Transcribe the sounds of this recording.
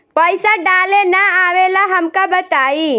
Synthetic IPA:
pəɪsaɖaːlenaaʋelaɦəmkabət̪aːi

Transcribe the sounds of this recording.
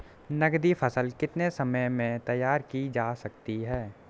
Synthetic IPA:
nɐɡd̪ipʰəsəlkɪt̪nesəməjmẽt̪ɐjːaːɾkid͡ʒaːsɐk̚t̪iɦɛː

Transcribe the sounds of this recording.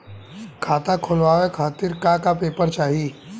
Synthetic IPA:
kʰaːt̪akʰʊlʋaːʋekʰaːt̪ɪɾkakapeːpəɾt͡ʃaːɦi

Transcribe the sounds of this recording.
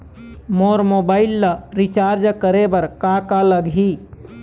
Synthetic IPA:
moɾmobailːəɾit͡ʃaɾd͡ʒkəɾebəɾkakaləɡʱi

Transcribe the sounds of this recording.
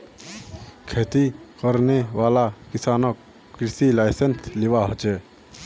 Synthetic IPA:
kʰeːt̪ikəɾneʋaːlakisaːnəkː | ɾisilaɪsensliʋaɦət͡ʃe

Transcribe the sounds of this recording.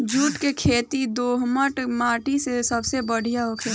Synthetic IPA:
d͡ʒuːʈkekʰeːt̪id̪oːɦməʈmaːʈisesəbsebəɽ̤ijaɦokʰe

